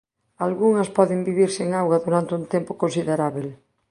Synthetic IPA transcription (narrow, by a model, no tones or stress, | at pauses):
alɣuŋɐspɔðembiβiɾseŋawɣaðuɾant̪ɪunt̪empokõnsiðeɾaβel